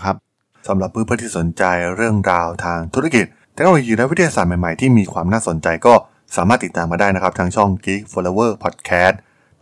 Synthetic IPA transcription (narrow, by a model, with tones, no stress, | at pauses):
kʰa˦˥p̚ | sa˩˦mɾa˨˩pʰːɯː˥˩pʰɯ˥˩nt̪ʰiː˥˩so˩˦nt͡ɕa˧jɾɯ˥˩əŋɾaː˧wt̪ʰaː˧ŋt̪ʰu˦˥a˥˩ki˨˩t̪̚ʰːe˦˥k̚o˧o˧jiː˧lɛ˦˥wt̪ʰa˧ja˧saː˨˩t̪̚ma˨˩jma˨˩jt̪ʰiː˥˩miː˧kʰwaː˧mnaː˥˩so˩˦nt͡ɕa˧jkɔː˥˩ | saː˨˩˦maː˥˩t̪ːiː˨˩aː˧maː˧daː˥˩jna˦˥kʰa˦˥pt̪ʰaː˧˥ŋt͡ɕʰɔ˥˩ŋkiː˦˥k̚foː˧loː˧wɤː˥˩pʰɔ˨˩t̪̚kʰɛː˦˥t̪̚